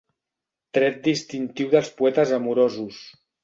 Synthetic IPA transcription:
t̪ɾɛt̪̚d̪ist̪int̪iwðəlˠspuɛt̪əzamuɾozus

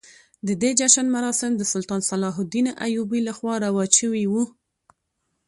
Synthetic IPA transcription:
d̪əd̪ed͡ʒaʃanmaɾɑsɪmd̪əsʊlt̪ɑnsalɑɦʊd̪inaʔajubilaxwɑɾawɑʃəwiwu

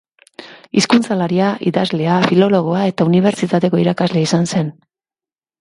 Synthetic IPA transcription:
iskunt͡salaɾiaʔḭðazle̞afilo̞lo̞ɣ̞o̞ae̞t̪auniβ̞e̞ɾt͡ʃit̪at̪e̞ko̞iɾakazle̞isanse̞n

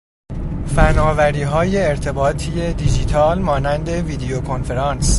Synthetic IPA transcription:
fænɒːvæɾiːɦɒːje̞ːɾt̪ʰe̞bɒːt̪ʰijed̪id͡ʒiːt̪ʰɒːlmɒːnænd̪e̞viːd̪eokʰo̞nfe̞ɾɒːns

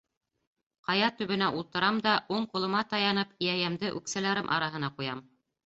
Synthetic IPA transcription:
qɑjɑt̪ɵ̆βɘ̆næʔulˠt̪ɤ̆ɾɑmd̪ɑʔuɴqŏlˠɤ̆mɑt̪ɑjɑnɤpijæjæmd̪ɘʔʉ̰ksælæɾɘmʔɑ̰ɾɑɦɤ̆nɑqujɑ̰m

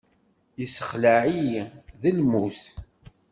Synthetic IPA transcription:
isə̥χlaʕijðəlmuθ

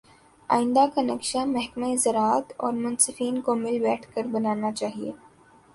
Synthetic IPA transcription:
a̰ːɪ̃nd̪akanɐkʃamɛɦkmezɐɾaːt̪ɔːɾmʊ̃nsɪfiːnkomɪlbɛːʈʰkəɾbɐnaːnat͡ʃaːɦieː

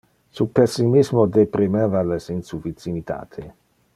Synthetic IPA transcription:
supesːimizmod̪epɾimevalesinsuvit͡sːimit̪ʰa̰ːt̪ʰe

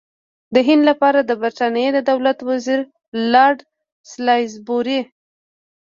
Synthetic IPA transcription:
d̪əɦɪnd̪lapɑɾad̪əbəɾt̪ɑnjed̪əd̪awlat̪waziɾ | lɑɖ | slɑjzboɾi

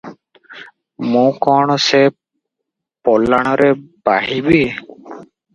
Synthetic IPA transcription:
mũkɔɽ̃ɔse | pɔlaɽ̃ɔɾɛbaɦibi

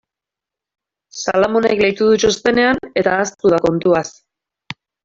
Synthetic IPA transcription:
sa̰lamo̞nekle̞jt̪uðut͡ʃost̪e̞ne̞ane̞t̪aːst̪uðako̞nt̪uas

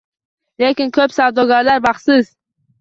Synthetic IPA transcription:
le̞kʲɪnkʰɵpsavd̪ɒɡʲaɾlaɾbaχsɪz

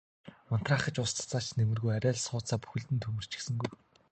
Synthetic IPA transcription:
ʊn̥t̪raːχə̆t͡ɕʊst̪ʰt͡saːt͡ɕnemɘ̆rɣujæɾʲæːɮsʊːt͡saːpu̥xɘ̆ɮt̪ɘ̆nt̪ʰɵmɵ̆r̥t͡ɕɪ̥̆ksɘ̆ŋɡuj

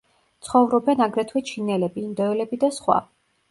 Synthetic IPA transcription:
t̪sʰχɔvɾɔbɛnaɡɾɛt̪ʰwɛt͡ʃʰinɛlɛbiːnd̪ɔɛlɛbid̪asχwa̰

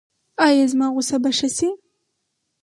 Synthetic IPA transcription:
ɑjazmɑɣʊsabaʃasi

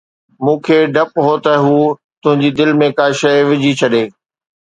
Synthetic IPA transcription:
mũːkʰeːɖʱɐpɦot̪ɐɦuː | t̪ʊ̃ɦɪ̃ɲd͡ʑid̪ɪlmẽkaːʃɐɪʋɪd͡ʑit͡ɕʰɐɗeː

